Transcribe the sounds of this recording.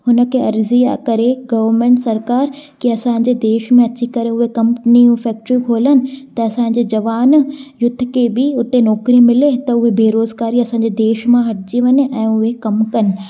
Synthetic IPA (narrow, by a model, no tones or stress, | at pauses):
hʊnə̆kʰeɐɾzia̰kɐɾeɡɐʋəɾmẽːɳʈsɐɾkaːɾkiɐsãːɪ̃ɲ̆d͡ʑed̪eːʃmẽɐt͡ɕikɐɾeʊɦekɐ̃mpɪnijũfɛːk̚ʈɾikʰoːlənɪ̆t̪ɐɐsãːɲ̆d͡ʑed͡ʑɐʋaːnjʊd̪̆ʱːkebɪʊt̪enɔːkɾimɪlet̪ɐʊɦebʱeːɾoːzɡaːɾiɐsãːɲ̆d͡ʑed̪eːʃmãɦɐʈʰɪd͡ʑiʋɐɲeʔɛ̃ːʊɦekɐmkɐnɪ̆